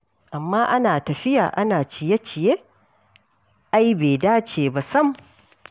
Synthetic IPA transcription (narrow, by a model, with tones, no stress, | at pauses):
ʔa˨mːaː˦ʔa˦naː˨tɐ˨ɸɪ˦ja̰ː˨ʔa˦naː˨t͡ʃɪ˨je˦t͡ʃɪ˨je˦ʔ | ʔa˦jbeː˨daː˦t͡ʃeː˨ba˨sɐ˦m